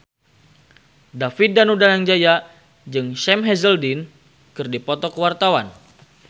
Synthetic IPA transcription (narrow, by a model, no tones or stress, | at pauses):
dafit̪̚danudanaŋd͡ʒaja | d͡ʒɨŋʃɛmɦɛzəldin | kɨrdipɔt̪ɔkəwart̪awan